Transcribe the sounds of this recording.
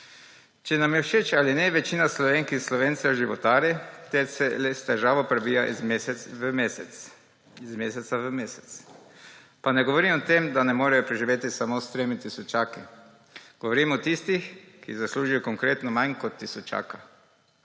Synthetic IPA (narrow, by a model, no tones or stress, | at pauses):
t͡ʃɛnamjɛwʃet͡ʃalinɛʋɛt͡ʃiːnaslɔʋeːŋkinslɔʋeːnt̪sɛɔʒiʋɔt̪aːɾjɛt̪ɛsɛlɛst̪ɛʒaːʋopɾɛbiːjaʔzeəmeːsɛs | izmeːsɛt̪saʋəmesɛ̥t̪s | panɛɡoʋɔɾimɔɔt̪emd̪anɛmoːɾajɔpɾɛʒiʋeːt̪isamost̪ɾeːmit̪isɔt͡ʃaːkɛ | ɡ̥oʋoɾiːmɔt̪ist̪ixkḭzasluːʒujɔkoŋkɾeːt̪nɔmaɲkɔt̪ːisɔt͡ʃa̰ːka